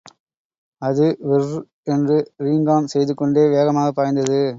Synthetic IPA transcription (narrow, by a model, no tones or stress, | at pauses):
ɐðɯʋɪrr | ɛndrɯɾiːŋɡaːmsɛjðɯkːɔɳɖeːʋeːɣɐmaːɣɐpːaːjnd̪ɐðɯ